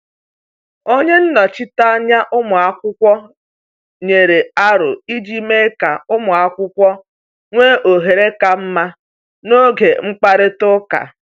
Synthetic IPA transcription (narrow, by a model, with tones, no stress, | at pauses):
o˦ɲe˦n̩˦nɔ˨t͡ʃɪ˦ta˦ɲa˦ʔʊ˦mʊ˨a˨kʷʊ˦kʷɔ˦ | ɲe˨ɾe˨a˦ɾʊ̰˨i˦d͡ʒi˦me˦ka˨ʊ˦mʊ˨a˨kʷʊ˦kʷɔ˦ | ŋʷe˦ʔo˨ɦe˨ɾe˦ka˨m̩˦ma˦ | no˦ɡe˨ŋ͡m̩˦k͡pa˦ɾɪ˦tʊ˦ka̰˨